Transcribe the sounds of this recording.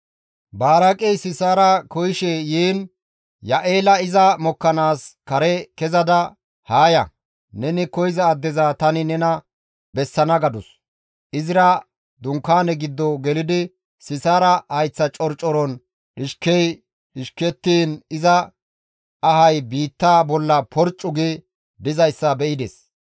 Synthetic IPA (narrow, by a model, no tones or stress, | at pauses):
baːɾɐkʼɛjsɪsaːɾɐkɔjɪʃɛjiːn | jɐʔeːlɐɪzɐmɔkːɐnaːskɐɾɛkɛzɐd̪ɐ | haːjɐ̰ | nɛnɪkɔjɪzɐːd̪ːɛzat̪ɐnɪnɛnɐ | bɛsːɐnɐɡɐd̪ɔs | ʔɪzɪɾɐ | d̪ʊŋkːaːnɛɡɪd̪ːɔɡɛlɪd̪ɪ | sɪsaːɾɐhɐjt͡sːɐt͡ʃʼɔɾt͡ʃʼːɔɾɔn | ᶑɪʃkɛj | ɗɪʃkɛt̪ːiːnɪzɐː | ɦɐjbiːt̪ːaːbɔlːɐpɔɾt͡ʃʼːʊɡɪ | d̪ɪzɐjsːɐbɛʔɪd̪ɛs